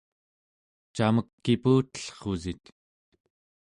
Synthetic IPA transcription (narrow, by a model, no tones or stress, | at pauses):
t͡ʃaməkːipuːt̪ə̥ɬχozit̪